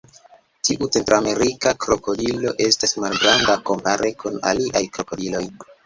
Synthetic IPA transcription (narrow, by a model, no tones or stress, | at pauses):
tiʔut͡se̞ntɾoame̞ɾikakɾo̞ko̞dilo̞ʔe̞stasmalɡɾandako̞mpaɾʔe̞kuna̰liʔajkɾo̞ko̞dilo̞j